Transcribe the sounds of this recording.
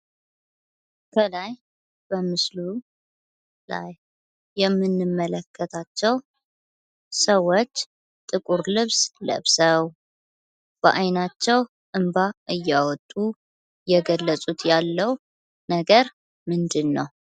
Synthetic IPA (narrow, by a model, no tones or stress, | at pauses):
kʰəlaj | b̥əmɨslu | la̰jː | ɛmːɨnːɨmːələkʰːət̪ʰat͡ʃːɛw | səwːot͡ʃː | t̪ʼɨkʼuɾlɨβslə̰βsəw | b̥əʔajnat͡ʃːɛw | ʔɨmbaʔɨjːawɔt̪ʼːu | jɛɡəlːəsʼut̪ʰjalːəw | nəɡəɾ | mɨnd̪ɨnːəw